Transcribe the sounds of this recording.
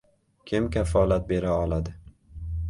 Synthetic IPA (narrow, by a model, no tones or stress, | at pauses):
kʲʰɪmkʲʰafɒlat̪̚be̞ɾaɒlˠad̪ɪ